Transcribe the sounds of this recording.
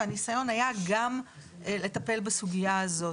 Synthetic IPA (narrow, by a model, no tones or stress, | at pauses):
anisajo̞najaɡamʔelet̪ɐpe̞lbasuɡijaːzo̞